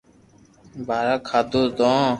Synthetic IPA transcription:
bʱaːɾaːkʰaːd̪oːd̪õː

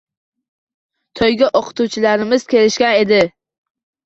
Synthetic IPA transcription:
t̪ʰɒjɡʲaʔoqʰɨ̥t̪ʰuwt͡ʃʰɪlaɾɪmɪz̥kʲʰe̞lɪʃkʲane̞d̪ɪ

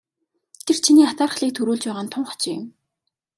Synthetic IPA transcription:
t̪ʰer̥t͡ɕʰiniːat̪aːrχ̆ɮiːk̚t̪ʰɵɾuːɮt͡ɕpæːʁaːnt̪ʰʊɴχɔ̥t͡ɕiːʊ̰m

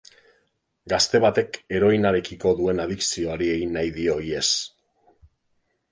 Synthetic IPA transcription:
ɡast̪e̞βat̪e̞ke̞ɾo̞jnaɾe̞kiko̞ðue̞naðiksio̞aɾie̞ɣinːajðio̞ie̞s

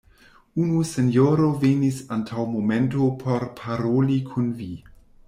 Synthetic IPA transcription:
unuse̞njoɾo̞venisantʰawmome̞ntopʰo̞ɾpʰaɾolikʰunvi

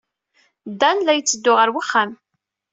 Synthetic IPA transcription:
d̪ːænlæjət͡sːəd̪ːʊʁəɾwiχːam

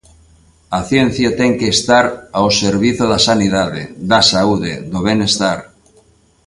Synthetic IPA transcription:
aθjen̟θjat̪ɛŋkeːst̪aɾaoseɾβ̞iθoðasaniðaðḛðasauðḛd̪oβ̞enest̪aɾ

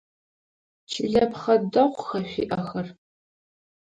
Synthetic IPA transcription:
t͡ʃʰɪɮɐpχɐdɐqʷxɐɕʷḭːʔɐxɐr

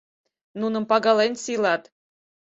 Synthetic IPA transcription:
nunə̆mpɑɡɑlenʲsilɑt̪

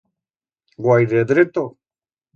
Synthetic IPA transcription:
ɡwajɾed̪ɾet̪o

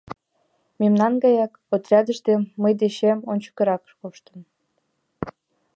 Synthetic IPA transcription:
memnɑnɡɑjɑk | ot̪rʲɑd̪əʃd̪emːəjd̪eɕemonʲt͡ɕə̥kə̆ɾɑkʃkoʃt̪ən

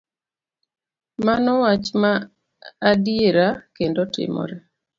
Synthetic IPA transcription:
manɔwat͡ʃmaː | dieɾakendotɪ̰mɔ̰ɾɛ

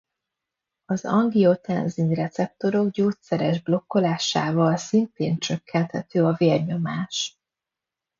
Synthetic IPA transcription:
ɒzɒŋɡio̞t̪ɛ̰nzinrɛt̪sɛp̚t̪o̞ɾo̞ɡɟoːt̪sɛɾɛʒblo̞kːo̞laːʃaːvɒlsint̪eːnt͡ʃø̞kʰːɛnt̪hɛt̪øːɒveːrɲo̞maːʃ

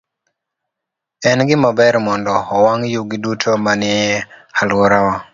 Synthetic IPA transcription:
ɛnɡɪmabɛɾmɔndɔːwaŋjuɡidutʰomanɪalwɔɾawɔ

